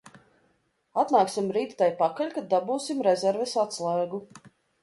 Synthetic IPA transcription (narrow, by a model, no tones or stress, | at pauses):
at̪naːksimɾiːt̪t̪ajpakaʎʲkad̪̚ːabuːsimɾɛzɛɾvɛsat̪slˠaːɡu